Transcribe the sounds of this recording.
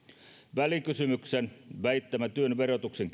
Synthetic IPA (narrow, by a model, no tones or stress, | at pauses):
ʋælikysymyksenʋæit̪ːæmæt̪yønʋerot̪ukseŋk